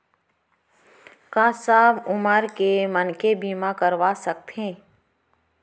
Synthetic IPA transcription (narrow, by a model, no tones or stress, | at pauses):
kãːsaːbʊməɾkemənkebiːmãkəɾʋasək̚t̪ẽː